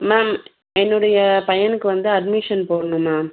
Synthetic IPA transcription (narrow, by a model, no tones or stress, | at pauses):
maːm | ɛnːɯɽɐjɐpɐjɐnɯkːɯʋɐnd̪ɯɐdmɪʂɐnpoːɽɐnɯ̃maːm